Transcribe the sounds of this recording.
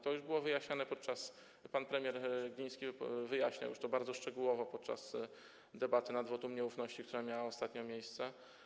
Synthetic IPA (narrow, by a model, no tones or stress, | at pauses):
t̪ɔjuʐbɘwɔvɘjaɕɲanɛpɔt̪̚t͡ʂas | panpɾɛmʲjɛɾɡʲĩj̃skʲivɘjaɕɲa̰wjṵʂt̪ɔbaɾd̪zɔʂt͡ʂɛɡuwɔvɔpɔt̪̚t͡ʂa̰s | d̪ɛbat̪ɘnad̪vɔt̪umɲɛufnɔɕt͡ɕikt̪uɾamʲjawaɔst̪at̪ɲɔmʲjejst̪sɛ